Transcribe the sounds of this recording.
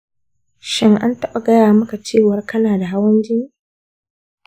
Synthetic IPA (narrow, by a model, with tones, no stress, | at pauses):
ʃɪ˦ŋʔa˦ntɐ˦ɓa˨ɡɐ˦jaː˨mɐ˦ka˨t͡ʃeː˦˨wɐ˦rkɐ˦naː˨da˨ɦa˦wɐ˦nd͡ʒɪ˦ŋ